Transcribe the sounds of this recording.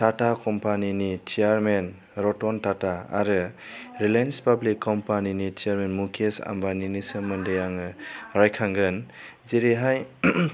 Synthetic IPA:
tatakɔmpaninit͡ʃʰijaɾmen | ɾɔtɔntataa̰ɾɯɾilenspablikːɔmpaninitiaɾmenmukʰesa̰mbaninisɯmɐndejaŋɯɾajkʰaŋɡɯn | ziɾeɦaj

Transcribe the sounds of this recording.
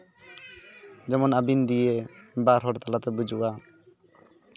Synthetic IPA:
d͡ʒɛmɔnabind̪ijebaɾɦɔɾt̪alat̪ɛbud͡ʒuʔa

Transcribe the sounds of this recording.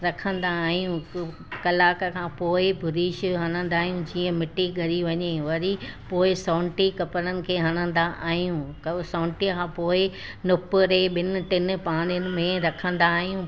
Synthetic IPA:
ɾɐkʰə̃nd̪aːɦijũ | kɐlaːkəkʰãːpoːɪbʱʊɾiːʃɦɐñə̃nd̪aːɦijũd͡ʑiːə̃mɪʈiɠɐɾiʋɐɲeʋɐɾipoːɪsãʊɳʈikɐpəɾənɪ̆kʰeːɦɐɽ̃ə̃nd̪aʔaːɦijũksãːʊ̃ɳʈikʰãːpoːɪ | nʊpʊɾeɓɪnɪ̆ʈɪn̆paːɽ̃ɪjʊnɪ̆mẽɾɐkʰə̃nd̪aːɦijũ

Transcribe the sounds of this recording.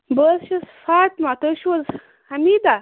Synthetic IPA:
bəsʃisfaːt̪mat̪əʃwɐz | hɐmiːd̪a

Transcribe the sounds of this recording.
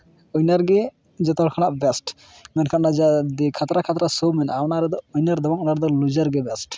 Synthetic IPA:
ɔjnaɾɡɛ | d͡ʒɔt̪ɔɾkʰanaʔbɛsʈ | mɛnkʰannad͡ʒad̪ɛkʰat̪ɾakʰat̪ɾasɔmɛnawnaɾɛd̪ɔojnaɾd̪ɔbɔŋɔnaɾd̪ɔlud͡ʒaɾɡɛbɛsʈ

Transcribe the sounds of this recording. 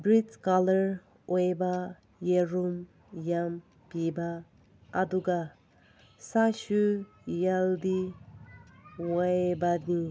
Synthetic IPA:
bɹitkaləɹ | ejba | jeɾum | jam | pibaː | d̪uɡa | saʃu | jald̪i | waebani

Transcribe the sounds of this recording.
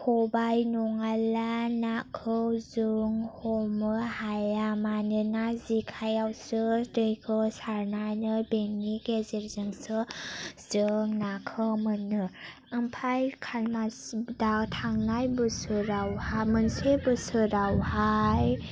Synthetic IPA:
hʰɔbajnɔŋalanakʰɯwzɯŋhɔmɯhajamanɯnazikʰajawsɯdɯjkʰɯwsaɾnanɯbeŋniɡezeɾzɯŋsɯz̥ɯŋnakʰɯmɯnɯ | ɯmpʰajkʰalmadawtʰaŋnajbɯsɯɾawhamɯnsebɯsɯɾawhaj

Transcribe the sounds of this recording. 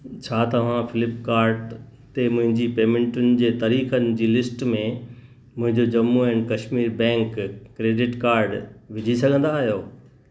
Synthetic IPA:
t͡ɕʰaːt̪ɐʋ̤ãfɪlɪpkaːɾɖ | t̪emʊ̃ɦɪ̃ɲd͡ʑipeːmɪ̃ɳʈʊn̆d͡ʑeːt̪aːɾiːxənɪ̆d͡ʑiːlɪsʈmẽ | mʊ̃ɦɪ̃ɲd͡ʑod͡ʑɐmːuɛ̃ːnkɐʃmiːɾbɛ̃ːŋkːɾeːɖɪʈkaːɾɖʋɪd͡ʑʱisɐɡʱə̃nd̪aɦijoː

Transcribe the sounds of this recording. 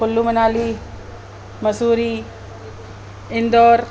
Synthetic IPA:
kʊlːumɐnaːli | mɐsuːɾiː | ɪnd̪oːɾ

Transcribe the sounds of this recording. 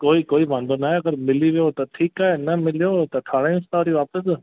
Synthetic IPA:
koːikoːibãːnd̪onaɦeɐɡəɾmɪliʋijoːt̪ɐʈʰiːkaːɦenɐmɪlijot̪ɐʈʰaːɽãĩʊst̪aːɾiʋaːpəs̬

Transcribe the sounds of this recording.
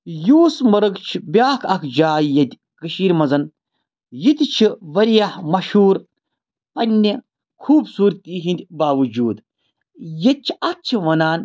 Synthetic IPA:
juːsmɐɾɐɡt͡ʃʰibʲjaːkʰɐkʰd͡ʒaːjjɐd̪ʲ | kɨʃiːɾmɐzɐn | jit̪ʲit͡ʃʰiʋɐɾijahmɐʃuːɾ | pɐnʲːi | kʰuːbsuːɾt̪iɦind̪ʲbaːʋɨd͡ʒuːd̪ | jɐt̪̚t͡ʃʰi̥ɐt̪̚t͡ʃʰiʋɐnaːn

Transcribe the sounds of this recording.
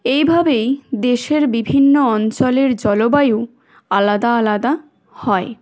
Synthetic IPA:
ejbʱabejd̪eʃeɾbibʱinːoɔnt͡ɕoleɾd͡ʑɔlobaje | alad̪aalad̪a | hɔe

